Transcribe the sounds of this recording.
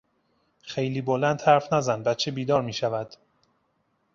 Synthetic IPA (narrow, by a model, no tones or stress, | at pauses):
xejliːbolænd̪hæɾfnæzænbæt͡ʃʰebiːd̪ɒːɾmiːʃævæd̪̥